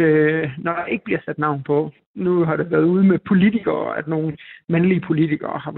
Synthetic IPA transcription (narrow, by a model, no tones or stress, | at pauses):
ønɒd̥ɑ̈ʔe̝ɡ̥əb̥liɐsæd̥nɑ̈ʊ̰npʰɒ̽ | nuɦɑ̈ɾeʋæːɐð̞̩ˠuð̞ˠmepʰo̝lit͡sʰiɡ̥ɐːæd̥no̝ːn̩mænliəpʰo̝lit͡sʰiɡ̥ɐ̰ːhɑ̈